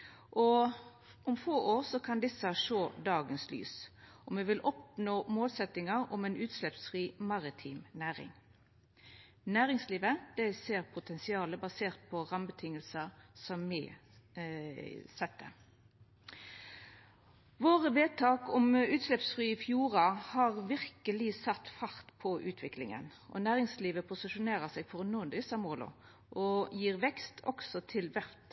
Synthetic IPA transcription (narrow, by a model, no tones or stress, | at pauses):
ʔɔ | ʊmfoːʔoːʁsɔkʰɑnd̪ɪsəʂoːd̪ɑːɡənsly̰ːsʔɔmʋɛʋɪlʔɔp̚noːmoːlsɛt̪ɪŋɑʁɔ̰mɛnʉːt̪slɛpsfʁiːmɑʁɪt̪ʰiːmnæːʁɪ̰ŋ | næːʁɪŋsliːʋəd̪̥ɛɪseːʁpʰʊt̪ʰɛnsɪɑːləbɑseːʁt̪̚pʰɔʁɑmbət̪ʰɪŋəlsəsɔmːɪ | sɛt̪ːə̰ | ʋoːʁəʋeːt̪ʰɑːkɔmʉːt̪ʃlɛpsfʁyːɪfjuːɾɑhɑʁʋɪʁkəlɪsɑt̪ːfɑʁt̪pʰɔʔʉ̰ːt̪ʰʋɪklɪ̰ŋə̰nʔɔ̰næːʁɪŋsliːʋəpʰʊsɪʃʊneːɾəsɛːɡfɔʁnuːnd̪ɪsɑmoːlʊ̰ | ʔɔjiːʁʋɛkst̪ʰɔ̰ksɔt̪ʰɪlʋæɾt̪